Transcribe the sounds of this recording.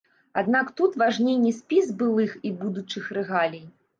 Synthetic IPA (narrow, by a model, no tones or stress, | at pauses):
ad̪nakt̪ut̪vaʐnʲejnʲːisʲpʲizbɨlˠɨxibud̪ut͡ʂɨxɾɛɣalʲij